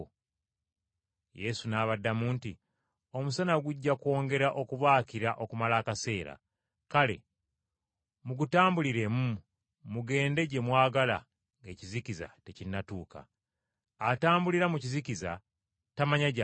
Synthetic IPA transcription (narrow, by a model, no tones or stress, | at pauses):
je̞sunaːβadːamuːnti | o̞musanaɡuɟːako̞ːŋɡe̞ɾaʔo̞kuβaːciɾaʔo̞kumalaːkase̞ːɾa̰ | kale̞̰ | muɡutaːmbuliɾe̞mu | muɡe̞ːnde̞ɟe̞mwaːɡala̰ | ŋɡe̞ːciziciza̰te̞cinːatuːka̰ | ataːmbuliɾamuciziciza̰ | tamaɲaɟa